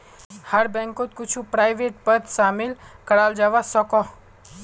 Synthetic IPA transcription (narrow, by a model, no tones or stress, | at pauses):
həɾbɛ̃ŋkot̪̚kut͡ʃʰũpɾajʋeʈ̚pət̪ʃamɪlkəɽald͡ʒaʋasɔkɔ